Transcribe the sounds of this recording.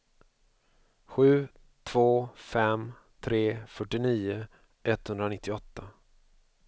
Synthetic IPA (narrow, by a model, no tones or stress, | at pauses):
ɧʉ̟ː | t̪ʰv̥oːfɛm | t̪ʰɾeːfœʈːɪniːʊ | ʔɛt̪ːhɵnd̪ɾanɪt̪ːɪɔt̪ːa